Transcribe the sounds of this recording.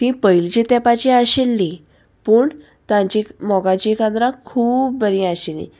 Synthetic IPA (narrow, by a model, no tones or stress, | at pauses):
t̪ĩpəjlt͡ɕet̪ɛpat͡ɕeaɕelːĩ | pəːɳ | t̪ãɲt͡ɕẽmɔɡãt͡ɕekãnd̪ɾãkʰuːp̚bəɾĩaɕelḭ̃